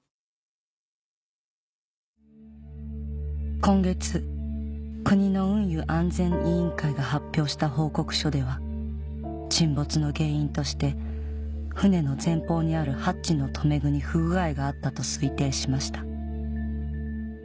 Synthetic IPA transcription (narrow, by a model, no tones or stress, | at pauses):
kõ̞ŋɡe̞t͡sɨ | kɯ̟ɲ̟ino̞ɯ̟̃ɰ̃jɯ̟ʔãnd͡zẽ̞ɰʔiĩŋkaiɡahapʲːjo̞ːɕi̥t̪aɦo̞ːko̞kɯ̟̥ɕo̞d̪e̞βa | t͡ɕĩmbo̞t͡sɨno̞ɡe̞ːĩnt̪o̞ɕi̥t̪e̞ | ɸɯ̟ne̞no̞zẽ̞mpo̞ːɲ̟iaɾɯ̟hatɕino̞t̪ʰo̞me̞ɡɯ̟ɲ̟iɸɯɡɯ̟ɡaeɡaːt̪ːat̪o̞sɨit̪ẽ̞ːɕimaɕi̥t̪ḁ